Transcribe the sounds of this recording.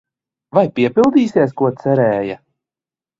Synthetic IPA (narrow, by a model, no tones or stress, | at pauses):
vajpiɛpilˠd̪iːsiɛskuɔt̪sɛɾɛːja